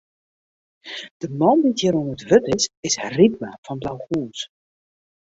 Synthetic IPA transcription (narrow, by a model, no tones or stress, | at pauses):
d̥əmɔnditjəɾonətʋøtɪsɪsridmafɔnblawχuːns